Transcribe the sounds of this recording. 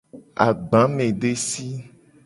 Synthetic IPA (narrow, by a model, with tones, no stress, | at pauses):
a̰˨ɡ͡bã˨˦mẽ˨ɖe˦si˦